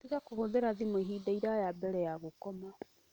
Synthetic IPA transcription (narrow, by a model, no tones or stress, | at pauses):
tiɣakohoðeɾaðimɔiɦidaiɾajabɛɾɛjaɣokɔma